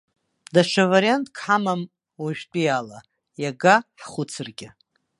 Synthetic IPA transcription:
daʃʷaveɾjantʼkʰħamam | waʒᶣtʷʼijala | jaɡaħχʷʊt͡sʰɨrɡʲɪ

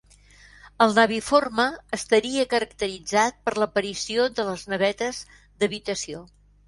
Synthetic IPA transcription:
əlˠnəβiforməːst̪əɾiəkəɾəkt̪əɾid͡zat̪̚pəɾləpəɾisioðələznəβɛt̪əz | d̪əβit̪əsio

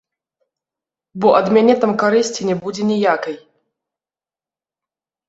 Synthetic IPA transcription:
bɔʔɐd̪mʲanʲɛt̪amkaɾɨsʲt͡sʲinʲɛbud͡zʲɛnʲɛjakɐj

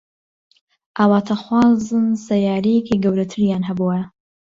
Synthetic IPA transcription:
ʔaːwaːt̪ʰɐxwaːzɨnsɐjaːɾijekiɡɐwɾɐt̪ʰɨɾjaːnɦɐbuɐ

